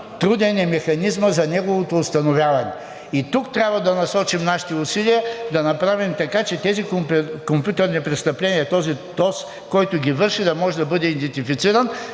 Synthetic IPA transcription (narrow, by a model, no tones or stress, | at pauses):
t̪ɾud̪ɛnɛmɛxɐnizməzɐnɛɡovˠot̪oːst̪ɐnovʲjavɐnɛ | it̪ukt̪ɾʲjabvɐd̪ɐnɐsɔt͡ʃimnaʃi̥t̪ɛʊsiliəd̪ɐnɐpɾavimt̪ɐkat͡ʃɛt̪ɛzikopkompʲjut̪ɛɾnipɾɛt̪st̪ɐplɛniɛt̪ɔzit̪ɔs | kɔjt̪ʊɡʲivɤɾʃid̪ɐmɔʒɛd̪ɐbɤd̪ɛid̪ɛnt̪ifit̪siɾɐn